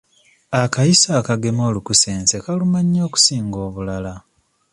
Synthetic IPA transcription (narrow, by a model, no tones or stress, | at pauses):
akajisaːkaɡe̞mo̞ːlukuse̞ːnse̞kalumaɲːo̞ːku̥siːŋɡo̞ːβulala